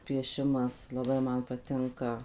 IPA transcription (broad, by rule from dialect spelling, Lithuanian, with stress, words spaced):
pʲiɛˈʃʲɪmɐs lˠɐˈbɐɪ ˈmɐn pɐˈtʲɪŋkɐ